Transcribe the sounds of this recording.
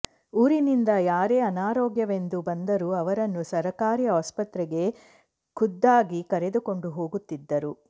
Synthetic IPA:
uːɾinind̪ɐjaːɾe̞ːɐnaːɾɔːɡjɐʋe̞nd̪ubɐnd̪ɐɾuɐʋɐɾɐnːusɐɾɐkaːɾijɐɐspɐt̪ɾɛɡe̞ | kud̪ːaːɡikɐɾe̞d̪uko̞ɳɖuɦo̞ːɡut̪ːid̪ːɐɾu

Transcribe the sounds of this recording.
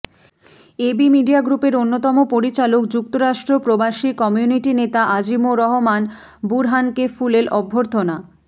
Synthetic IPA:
ebimiɖijaɡɾupeɾonːot̪ɔmopoɾit͡ɕalokd͡ʑuk̚t̪oɾaʃʈɾopɾobaʃikɔmijuniʈinet̪aʔad͡ʑimoɾɔɦoman | buɾɦankefuleɾʔɔbʱːoɾt̪ʰona

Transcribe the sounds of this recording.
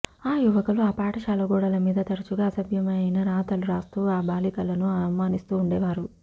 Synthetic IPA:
aːjuʋɐkuluaːpaːʈɐʃaːlɐɡɔːɽɐlɐmiːd̪ɐt̪ɐɽɐt͡ʃuɡaːɐsɐbʱjɐmɐjinɐɾaːt̪ɐluɾaːst̪uːaːbaːlikɐlɐnuɐnumaːnist̪uːɳɖɛːʋaːɾu

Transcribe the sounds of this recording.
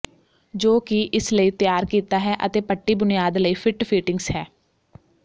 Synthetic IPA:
d͡ʒoːkɪʔɪsləiːt̪ɪjaːɾkiːt̪aːɦɛːʔə̰t̪eːpəʈːiːbʊnijaːd̪ləiːpʰɪʈpʰiːʈɪŋɡshɛː

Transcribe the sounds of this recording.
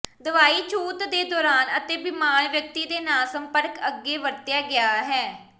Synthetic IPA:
d̪əʋaːiːt͡ʃʰuːt̪d̪eːd̪ɔːɾaːnət̪eːbɪmaːɳʋjək̚t̪iːd̪eːnaːlsəmpəɾkəɡːeːʋəɾt̪jaːɡɪaːɦɛː

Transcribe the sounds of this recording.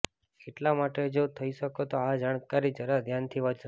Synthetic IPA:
keʈlamaʈed͡ʒot̪ʰəiʃəkot̪oad͡ʒaɽ̃kaɾid͡ʒəɾad̪ʱjant̪ʰiʋəd͡ʒ

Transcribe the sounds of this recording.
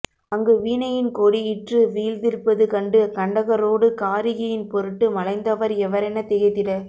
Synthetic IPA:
ɐŋɡɯʋiːnɐjɪnkoːɽiɪʈrɯʋiːld̪ɪɾpːɐðɯkɐɳɖɯkɐɳɖɐɣɐɾoːɽɯkaːɾɪɣɐjɪnpɔɾɯʈːɯmɐɭɐɪnd̪ɐʋɐɾɛʋɐɾɛnɐt̪ɪɣɐɪt̪ːɪɽɐ

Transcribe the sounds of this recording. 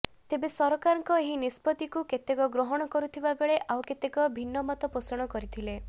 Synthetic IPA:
t̪ebesɔɾɔkaɾɔŋkɔeɦinispɔt̪ikuket̪ekɔɡɾɔɦɔɽ̃ɔkɔɾut̪ʰibabeɭeʔawket̪ekɔbʱinːɔmɔt̪ɔposɔɽ̃ɔkɔɾit̪ʰile

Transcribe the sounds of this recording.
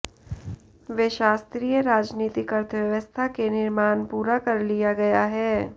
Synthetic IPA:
ʋeːʃaːst̪ɾiːjəɾaːd͡ʒniːt̪ikɐɾt̪ʰəʋjɐʋəst̪ʰakenɪɾmaːnpuːɾakɐɾlijaɡɐjaɦɛː

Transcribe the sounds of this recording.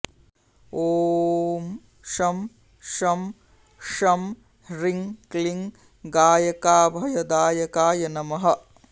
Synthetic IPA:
oːm | ʃɐm | ʃɐm | ʂɐm | ɾiŋkliŋ | ɡaːjɐkaːbʱɐjɐd̪aːjɐkaːjɐnɐmɐɦɐ

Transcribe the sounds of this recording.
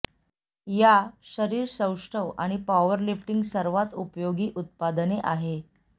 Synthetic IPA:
jaɕəɾiːɾsə̃wʂʈʰəʋa̰ɽ̃ipaʋəɾlifʈiŋɡsəɾʋat̪upjoɡiːʔut̪̚pad̪neʔaɦe

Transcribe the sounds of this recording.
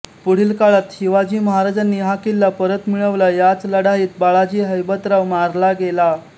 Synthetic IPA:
puɽ̤iːlkaɭat̪ɕiʋad͡ʑiːməɦaɾad͡ʑanːiːɦakilːapəɾət̪miɭəʋlajat͡sləɽaɦiːt̪̚baɭad͡ʑiːɦəjbət̪ɾaʋmaɾlaɡela

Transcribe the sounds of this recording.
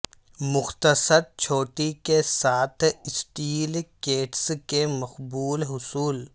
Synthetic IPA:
mʊxt̪əsəɾt͡ʃʰoːʈikesaːt̪ʰɪsʈiːlkeːʈskemɐxbuːlɦʊsuːl

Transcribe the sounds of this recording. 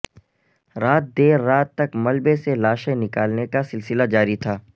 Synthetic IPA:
ɾaːt̪̚d̪eːɾːaːt̪ːɐkmɐlbeselaːʃẽnɪkaːlnekasɪlsɪlad͡ʒaːɾit̪ʰaː

